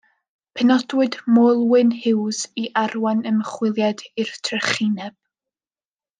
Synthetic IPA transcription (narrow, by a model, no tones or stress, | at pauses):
pʰɛnɔdwɨdmojlˠwɨnhɪwziʔarwanəməχwɪlˠjadirtʰrəχinɛb̥̚